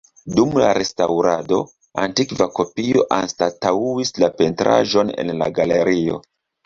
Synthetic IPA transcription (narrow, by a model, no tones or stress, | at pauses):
dumlaɾe̞stawɾado̞ | a̰ntikvako̞pio̞ʔanstatauislape̞ntɾa̰ʒo̞ne̞̰nla̰ɡale̞ɾio̞̰